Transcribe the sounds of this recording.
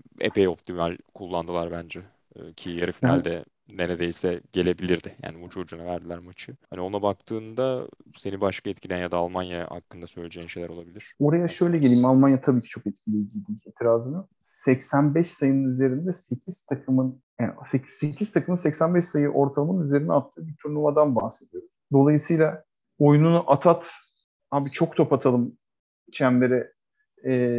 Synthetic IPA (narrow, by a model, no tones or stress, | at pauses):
ḛpejo̞p̚t̪ʰimalʲkʰulˠːand̪ɯlˠaɾbænd͡ʒɛ | cʰijaɾɯfinɛ̰lʲd̪ɛ | neɾed̪ejsɛɟ̥e̞lʲe̞bilʲiɾd̪ɪja̰ːnibut͡ʃʰo̞d͡ʒunavæɾd̪ilʲæɾmat͡ʃʰɯhanio̞nabak̚t̪ʰɯːnd̪a | se̞nibaʃkʰaɛt̪̚cʰlʲijænjad̪aːlˠmanjaa̰kːɯnd̪asø̞jlʲed͡ʒejinʃe̞jlʲæɾo̞lˠabilʲiɾ̥o̞ɾajaʃø̞jlʲɛɟelʲiːimalˠmanjat̪ʰabiːcʰit͡ʃʰokɛt̪̚cʰilʲijɟid̪iːeːt̪ʰiɾaːzɯnɯ | sɛcsænbɛʃsajɯnɯnyze̞ɾind̪ɛse̞cʰiz̥t̪ʰakʰɯmɯn | æsesecʰiz̥t̪ʰakɯmɯnsɛcsænbɛʃsajɯʔo̞ɾt̪ʰalˠamɯnyze̞ɾinɛat̪ʰːɯːbiɾt̪ʰuɾlˠumad̪anbahse̞d̪ijo̞ɾuz̥d̪o̞lˠajɯsɯjlˠa | ojununuʔat̪ʰat̪ | haːbit͡ʃʰo̞k̚t̪ʰo̞pat̪ʰalˠɯm | t͡ʃʰænveɾɛː